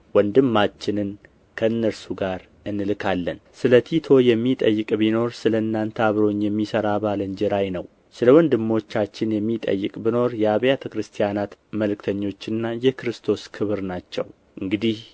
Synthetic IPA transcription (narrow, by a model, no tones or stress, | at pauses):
wɔnd̪ɨmːat͡ʃːɪnɨn | kʰəɨnːəɾsuɡaɾ | ɨnːɨlɨkʰalːənsɨlət̪ʰit̪ʰo̞jɛmːit̪ʼəjːɨkʼbino̞ɾsɨləɨnːant̪ʰəaβɾo̞ɲjɛmːisəɾaβalənd͡ʒɛɾajnəw | sɨləwɔnd̪ɨmːo̞t͡ʃːat͡ʃːɪnjɛmːit̪ʼə̰jːɨkʼbino̞ɾjɛaβjat̪ʰəkɾɨst̪ʰijanat̪məlkt̪ʰəɲːo̞t͡ʃːɨnːajɛkɾɨst̪ʰo̞skʰɨβɨɾnat͡ʃːɛ̰w | ʔɨŋɡɨd̪ih